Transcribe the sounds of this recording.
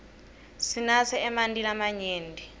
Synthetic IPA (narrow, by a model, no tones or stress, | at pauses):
sinasɛɛmandʱʼilamaɲeːndʱʼi